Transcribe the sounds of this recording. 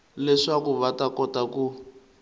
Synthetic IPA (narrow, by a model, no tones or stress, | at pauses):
lɛʂakuβatakɔtaku